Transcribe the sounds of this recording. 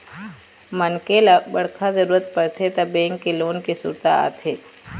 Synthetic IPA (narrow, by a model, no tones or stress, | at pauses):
mɐnkelabɐɽ̤kʰazɐɾuːɾət̪̚pɐɾt̪ʰet̪ɐbẽːŋkːiloːnkisṵːɾt̪a̰a̰ːt̪ɦeː